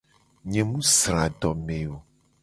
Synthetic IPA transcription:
ɲɛ̃˨mũ˦sɾa˨ɖɔ˨mẽ˨o˨

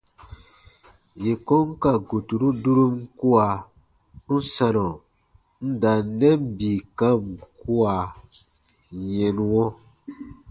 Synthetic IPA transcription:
je˨kɔ̃˦ŋ˦ka˨ɡo˨tu˨ɾu˦du˦ɾu˦m̩˦ku˦a˨ | n̩˦sã˨nɔ̃˨ | n̩˦da˨˦nɛ˦m˦bi˨kã˦m˨ku˦a˨ | ɲɛ˨nũ˨ɔ̃˦

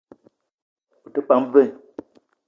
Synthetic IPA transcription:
o˨tə˦k͡pa˨˦m˦ve˦˨

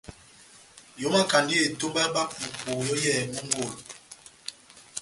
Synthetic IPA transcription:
jo˨˦ma˦ka˨ndi˦e˨to˦mba˦ɓa˦pu˨po˨jɔ˦jɛ˦˨mu˦ŋ˦ɡo˦˨l

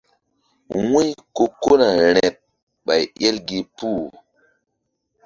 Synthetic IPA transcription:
wu˦jko˦˨ko˦na˨ɾ̃ɛ˨t̚ | ɓa˨je˦lɡe˨pu˦˨

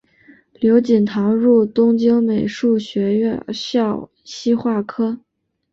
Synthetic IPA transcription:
ljo˧˥ʊt͡ɕi˨˩nt̪ʰɑ˧˥ʊɻu˥˩t̪ʊ˥ŋt͡ɕi˥ŋme˨˩ɪʂu˥˩ɕɥɛ˧˥ɥɛ̰˥˧ɕjɑ˥˩ʊ | ɕi˥xwa˥˩kʰɤ˥

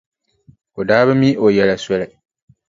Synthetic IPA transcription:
o˨daː˦bɨ˦mi˦o˨jɛ˨la˨sʷɛ˦lɪ˨

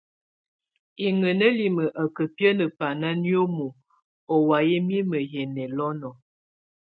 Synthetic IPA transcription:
i˨ŋə˨nə˦li˨mə˨ʔa˨kə˨pjə˦nə˨pa˨na˦njo˦mo˨ | o˨wa˨je˦mi˦mə˨jɛ˨nɛ˨lɔ˦nɔ˨

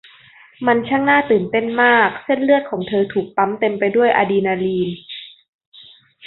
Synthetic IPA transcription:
ma˧nt͡ɕʰaː˥˩ŋnaː˥˩t̪ɯː˨˩nt̪e˥˩nmaː˥˩k̚se˥˩nlɯ˥˩ət̪̚kʰɔː˩˦ŋt̪ʰɤː˧t̪ʰuː˨˩k̚p̪a˦˥mt̪e˧mpa˧jdu˥˩əjʔa̰ː˧diː˧naː˧liː˧n

